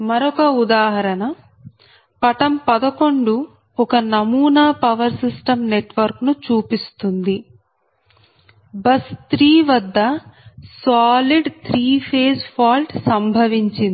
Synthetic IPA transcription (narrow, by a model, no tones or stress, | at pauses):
mɐɾɔkɐud̪aːɦɐɾɐnɐ | pɐʈɐmpɐd̪ɐko̞ɳɖu | ɔkɐnɐmuːnaːpɐʋɐɾsisʈɐmneʈʋɐɾknut͡ʃuːpist̪und̪i | bɐst̪ɾiːʋɐd̪ːɐsaːliɖt̪ʰɾiːpʰeːspʰaːlʈsɐmbʱɐʋiɲt͡ʃind̪i